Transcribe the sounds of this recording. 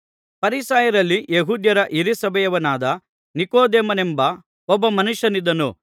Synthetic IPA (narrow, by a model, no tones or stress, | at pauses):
pɐɾisaːjɐɾɐlːijeɦuːd̪jɐɾɐʔiɾisɐbɐjɐʋɐnaːd̪ɐ | nikoːd̪eːmɐnembɐ | ɔbːɐmɐnuʃjɐnid̪ːɐnu